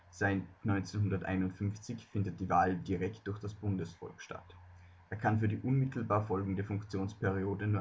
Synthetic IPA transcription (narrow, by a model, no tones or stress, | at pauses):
z̥aɪtnɔʏnt͡senɦʊndɐtʔa̰ɪnʊntfʏmft͡sɪçfɪndət̚d̥iːvaːldiʁɛkt̚d̥ʊɐçd̥asb̥ʊndəsfɔ̰lkʃta̰t | ʔʔeːɐkʰanfyːɐɾiːʔʊnmɪtʰl̩baːɐfɔlɡŋ̩deːɐfʊŋkt͡sjoːnspʰɛʁioːdənuːɐ